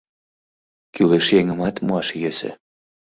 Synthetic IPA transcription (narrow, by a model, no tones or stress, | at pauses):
kyleʃjeŋə̆mɑt̪muɑʃjøsɘ̰